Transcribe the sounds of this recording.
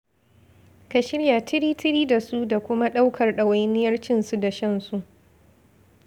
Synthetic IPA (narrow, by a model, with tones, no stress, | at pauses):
ka˨ʃɪ˦ɽja˨tɪ˦ɾiː˦tɪ˦ɾiː˦da˨su˦da˨kʷʊ˦ma˦ɗa˦wkʰɐ˨rɗɐ˨wa˦jnɪ˦jɐ˦rt͡ʃɪ˦nsu˦da˨ʃɐ˦nsu˦ʔ